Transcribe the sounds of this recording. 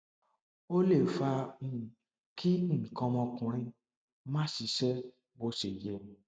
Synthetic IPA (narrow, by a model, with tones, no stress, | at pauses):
o˦le˦˨fa˧ĩ˧˨ | kʰĩ˦˨kɔ̃˧mɔ̃˧kũ˧ɾ̃ĩ˧ | mã˦si˨˧˦ʃɛ˦ | bo˧˦se˨jɛ˨